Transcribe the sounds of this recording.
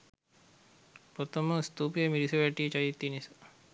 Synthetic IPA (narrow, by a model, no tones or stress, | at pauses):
pot̪oməst̪uːpijəmiɾisɐʋaʈiːt͡ʃajit̪ːinisḁ